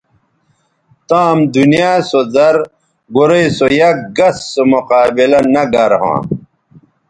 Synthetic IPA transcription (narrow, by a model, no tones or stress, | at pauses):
t̪aːmd̪unijaːsozɐɾ | ɡoɾeisojɐk̚ɡɐsːomoqaːbilɐnɐɡɐɾɦã̰ː